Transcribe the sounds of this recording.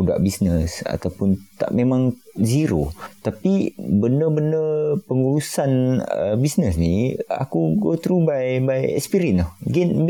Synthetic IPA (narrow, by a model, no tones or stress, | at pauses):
uda̰ʔbisnəsa̰t̪awpʊnt̪a̰ʔmẽmãŋziɾo̰t̪apibəndəbəndəpəŋuɾusanə̰bisnəsnia̰kuɡot̪ɾubajbajɛ̰kspiɾiənɔhɡin